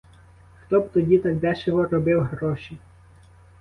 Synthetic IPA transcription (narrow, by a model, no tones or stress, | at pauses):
xt̪ɔbt̪ɔdʲit̪ɐɡ̚d̪ɛʃɔɦɔɾɔbɪwɦɾɔʃi